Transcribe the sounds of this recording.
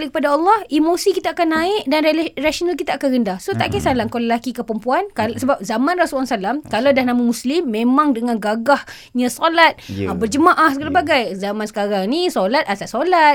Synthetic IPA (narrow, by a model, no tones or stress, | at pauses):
likəpadaɑlˠːɔhimosikit̪aakanːaɪʔdanrasonalk̬it̪aakanɣəndahsoht̪aʔkasalaŋkoləlakikəpɾəmpuankasəbap̚zamãnrasulansalamkalawdahnamamuslɪmːẽmaŋdəŋãnɡaɡah | ɲãsɔlat̪̚bərd͡ʒəmaʔahsəɡalabaɡajzamansə̥kaɾaŋnisolat̪̚asaʔsolat̪̚